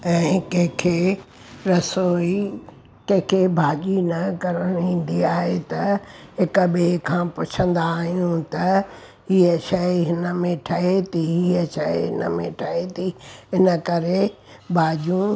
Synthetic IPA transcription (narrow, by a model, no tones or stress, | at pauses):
ɛ̃ːkẽɦkʰe | ɾɐsoːi | kɐ̃ɦkʰebʱaːʄinɐkɐɾəɽ̃ĩːn̆d̪iaːɦet̪ɐɦɪkɓekʰãːpʊt͡ɕʰə̃nd̪aːɦijũt̪ɐ | ɦiːəʃɐiɦɪnə̆mẽʈʰɐɦet̪ʰiɦiəʃɐiɦɪ̰nəmḛ̃ʈʰɐɦet̪ʰiɪnəkɐɾe | bʱaːʄũ